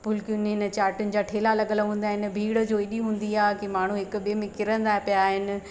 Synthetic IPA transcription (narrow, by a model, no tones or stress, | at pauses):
pʊlkjʊnɦɪnə̆t͡ɕaːɾʈʊnɪ̆d͡ʑaːʈʰeːlalɐɠəlɦũːnd̪aːɦɪnɪ̆bʱiːɽəd͡ʑoːɪɗiɦũːn̆d̪iaːkimaːɳ̤ũɦɪkbemẽkɪɾə̃nd̪aːɦpijaːɦɪnɪ̆